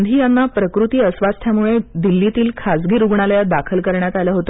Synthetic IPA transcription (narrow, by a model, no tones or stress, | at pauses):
nd̪ʱiːjanːapɾəkɾut̪iːəsʋast̪ʰjamuɭed̪ilːit̪iːlkʰasɡiːɾuɡɳaljad̪akʰəlkəɾɳjat̪aljaɦot̪ə